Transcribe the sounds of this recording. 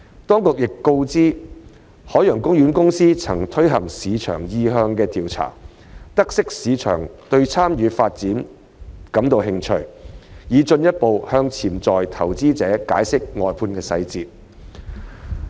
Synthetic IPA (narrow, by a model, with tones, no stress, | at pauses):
t̪ɔː˥ŋkʊ˨k̚jɪ˨kːo˧wt͡siː˥ | hɔː˨˥jœː˨˩ŋkʊ˥ŋjɥyː˨˥nkʊ˥ŋsiː˥t͡sʰɐ˨˩ŋt̪ʰɵ˥ɥɦɐ˨˩ŋsiː˨˧t͡ʃʰœ̰ː˨˩ŋjiː˧ɦœː˧ŋkɛː˧t̪iː˨wt͡sʰa̰ː˨˩ | t̪ɐ˥k̚sɪ˥k̚siː˨˧t͡ʃʰœ̰ː˨˩ŋt̪ɵ˧ɥt͡sʰaː˥mjyː˨˧faː˧t̚t͡siː˨˥n | kɐ˨˥mt̪o˨˧wɦɪ˧ŋt͡ʃʰɵ˧˩ɥjiː˨˧t͡sɵ˧njɐ˥t̚po˨whœː˧ŋt͡sʰiː˨˩mt͡sɔː˨jt̪ʰɐ˨˩wt͡siː˥t͡sɛː˨˥ka̰ː˨˥jsɪ˥k̚ŋɔː˨˩jpʰuː˧nkɛː˧sɐ̰˧jt͡siː˧t̚